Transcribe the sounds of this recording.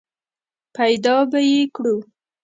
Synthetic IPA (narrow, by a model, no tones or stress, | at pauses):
pajd̪ɑbajekɽu